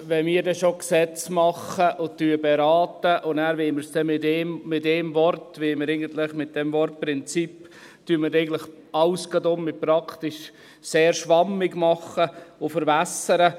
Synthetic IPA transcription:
ʋɛmiːɾdɛsʃoksɛt͡smɑχəʔʊtyːbeɾɑːtəʔʊnæːɾʋɪːməɾsd̥ɛmɪtɛmmɪtdɛːmvɔrtʋɪməɾɛɪɡən̩t̪lɪχmɪt̚d̥ɛmvɔrt̚pɾɪnt͡sip | tyːməɾɛɪɡən̩tləχ | ɑʊsɡ̥ɑdʊmːɪpɾɑktɪʃ | seːɾʃʋɑmːɪɡmɑχəʊfəɾvæsəɾə

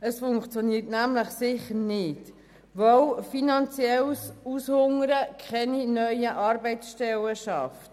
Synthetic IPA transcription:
əsfʊŋkt͡sjɔniːtnæmləχsɪχəɾnɪt | ʋœwfinɑnt͡siɛlsushʊŋəɾəkʰɛninœʏəʔɑɾbɛɪt͡ssʃtɛləʃɑft

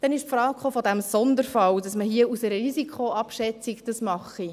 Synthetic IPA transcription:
d̥ɛnɪʃfɾɑːkχoːfɔd̪æmsɔnd̪əɾfɑwdɑsməɦiəusɛɾəɾisikχoɑpʃɛt͡sikd̥ɑsmɑχi

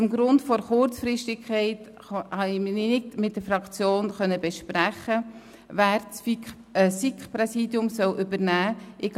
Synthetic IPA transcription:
əmɡɾʊntfɔɾχʊɾt͡sfɾɪʃtɪkʰχɛɪt | hɑɪmnɪnɪtmɪt̚d̥əfɾɑkt͡sjoːnχœnːəbɛʃpɾæχə | væːɾt͡sf | sikpɾɛsiːdjʊmsœwʔʏbəɾnæːʔɪɡ

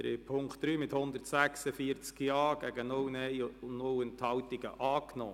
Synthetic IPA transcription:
dɾḛpʰʊŋktd̥ɾyːmɪthʊnd̪əɾtsæksəfiəɾt͡skjɑːɡ̥æɡənʊwnɛɪʊnʊlənt̪hɑwt̪iɡəʔɑːknɔː

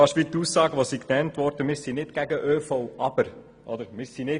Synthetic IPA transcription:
ɑʃʋit̪usːɑːɡəʋosiknɛntʋɔɾd̥əmɪsinɪtɡ̥æɡəʔøːfɔwʔɑb̥əɾ | ʔɔd̪əɾmɪsːinɪ

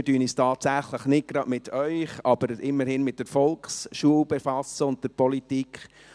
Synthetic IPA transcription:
dyːnistɑːtsæχləχnɪt̚ɡ̥ɾɑdmɪtʰœʏχɑb̥əɾɪmːəɾhɪnmɪt̚dɛɾfɔlkχsʃuəwbefɑsəʊnt̚d̥ɛɾpɔlitikχ

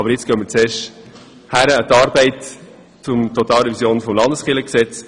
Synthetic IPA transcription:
ɑbəɾjɪt͡sɡ̥œməɾt͡seːʃt | hæɾəət̪ɑːɾbɛɪt | t͡sʊmtɔt̪ɑːləvisjoːnfɔmlɑndəsχɪləksɛt͡s

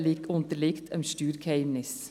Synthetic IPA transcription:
liːkʊnt̪əlɪkt̪ʰɛ̰mʃt̪ʉːɾkʰæɪʋnɪs

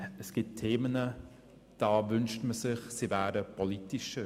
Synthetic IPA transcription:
əsɡ̥ɪt̚tʰːeːmənə | d̥ɑːvʏnʃtməsɪχsivæːɾəpʰɔlitɪʃə

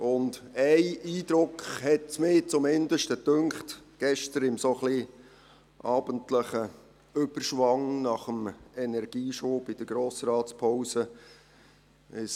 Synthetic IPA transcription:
ʊndæɪiːd̥̪ɾʊkχhɛt̚t͡smɪːt͡sʊmɪnd̪əʃtətøŋχtɡ̥ɛʃtəɾɪmsoχli | ʔɑːbəntləχə | ʏb̥ərʃʋɑŋnɑχəmɛnɛɾɡ̥iːʃoːbɪd̥əɾɡ̥ɾoːsrɑːtspʰɔwsə | ɪs

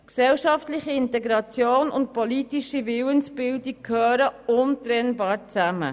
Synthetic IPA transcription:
ksɛlʃɑftlɪχiɪntɛɡɾɑt͡sjoːnʊ̰nt̚politiʃivɪwənsb̥ɪldikkʰhøːɾəʊntɾɛnbɑːɾt͡sæmə̰

